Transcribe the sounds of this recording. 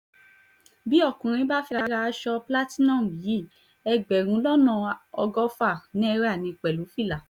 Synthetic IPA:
bi˦ɔ˦˨kũ˨ɾ̃ĩ˧˦ba˦fi˦˧ɾa˧˦ɾa˧˦ʃɔ˧pla˦ti˦nɔ̃˦˨m̩˨bi˨˦i˦˨ | ɛ˧ɡ͡bɛ˨ɾ̃ũ˧˦lɔ˦nã˦˨ɔ˧ɡɔ˦fa˦˨nĩ˦ɛ˧ɾɛ˦a˦˨nĩ˧k͡pɛ˨lu˨˦fi˦˨la˨

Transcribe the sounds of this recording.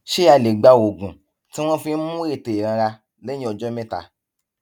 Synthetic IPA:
ʃe˦a˧˨le˨ɡ͡ba˧o˨ɡũ˨ | tĩ˦w̃ɔ̃˦fĩ˧n̩˦mũ˦e˦˨te˨e˨ɾã˧ɾa˧ | lẽ˦ĩ˦ɔ˧d͡ʒɔ˦mẽ˦ta̰˨

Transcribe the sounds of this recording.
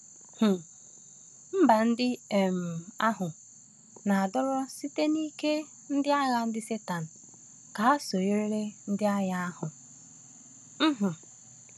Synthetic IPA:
h̩˨ | m̩˦ba˨n̩˦dɪ˦e˨m̩˨a˦ɦʊ˨ | na˨a˨dɔ˦ɾɔ˦si˦te˦ni˦ke˦ | n̩˦dɪ˦a˦ɣa˨n̩˦dɪ˦se˦ta˨n̩˨ | ka˨a˦so˨e˦ɾe˦ɾe˦n̩˦dɪ˦a˦ja˦a˦hʊ˨ | m̩˦ɦ̩˨

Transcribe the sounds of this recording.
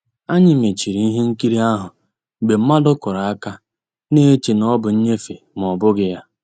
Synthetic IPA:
a˦ɲɪ˨me˨t͡ʃi˨ɾi˨i˦ɦe˦ŋ̩˦ki˦ɾi˦a˦ɦʊ˨ | ɡ͡be˨m̩˦ma˦dʊ˦kʊ˨ɾa˨a˦ka˦ | ne˦t͡ʃi˨nɔ˦bʊ˨ɲ̩˦ɲe˦fe˨ | m˨ɔ˨bʊ˦ɡɪ˦ja˦

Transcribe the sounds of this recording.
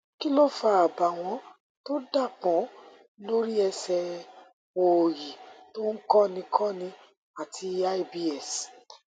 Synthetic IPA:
ki˦lɔ˦fa˧˨a˨ba˨w̃ɔ̃˧˦ | to˦da˦˨k͡pɔ̃˨˦ | lo˦ɾi˦ɛ˧sɛ˧ | o˨ji˨to˦ŋ̩˦kɔ̃˦nĩ˧kʰɔ̃˦nĩ˧ | a˨tʰi˧a˦i˦bi˦ɛ˦˨s

